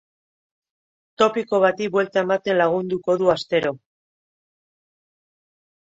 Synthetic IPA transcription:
t̪o̞piko̞β̞at̪ibwe̞lt̪ae̞mat̪e̞nlaɣ̞und̪uko̞ðuast̪e̞ɾo̞

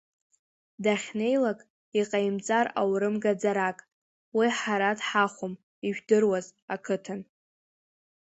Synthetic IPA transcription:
daχʲne̞jlakʼ | iqʼajmt͡sʼara̰wɾɨmɡad͡zaɾakʼ | wiħaɾadħaχʷʊm | iʒᶣdɨrwazakʰɨtʰɨn

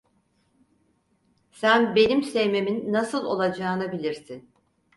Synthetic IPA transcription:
sænbe̞nimsevme̞minːasɯlˠo̞̰lˠad͡ʒaːnabilʲiɾsin

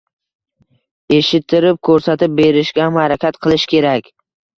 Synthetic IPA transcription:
e̞ʃɪt̪ʰːɪɾɪp̚kʰɵɾsat̪ɪp̚be̞ɾɪʃɡʲaamhaɾakʲat̪qʰɨlˠɪʃkʲe̞ɾakʲ

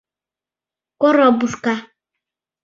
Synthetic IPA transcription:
kɔɾɔbuska

